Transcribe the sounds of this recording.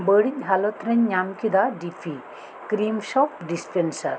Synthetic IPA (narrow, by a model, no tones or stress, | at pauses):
bəɽic̚ˀɦalɔt̪ɾɛɲːamkid̪aɖipʰi | kɾimʃɔpɖispʰensɐɾ